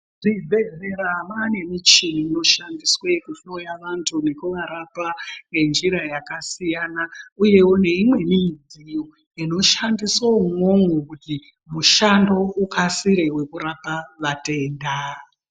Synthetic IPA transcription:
ʐ̥ibʱe̞ze̞ɾamane̞mit͡ʃiniːno̞ʃandiswekuso̞jaʋantʰune̞kuʋaɾapaŋɡe̞nd͡ʒiɾajakasijanauje̞une̞imwe̞mid͡zijo | ino̞ʃandiswoumo̞ŋɡokuti | muʃando̞ukʰasiɾe̞we̞kuɾapaʋate̞ːnda

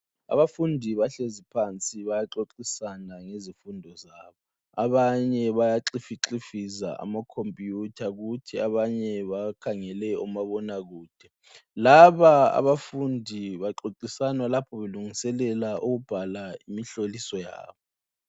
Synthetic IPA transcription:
a̰βafundʱiβaɬezipʰant͡sʼiβajaǁoǁisanaŋezifundʱɔzaːβɔ | aβaɲɛβajaǁifiǁifiza̰ʔa̰makʰompʼjutʰaɣutʰiaβaɲɛβakʰaŋɛlɛɔmaβɔnaɣuːd̥ʱɛ | laβaa̰βafundʱiβaǁoǁisanwalapʰɔβeluŋisɛlɛlaʔuɣub̥ʱalaimiɬolisɔja̰ːβɔ

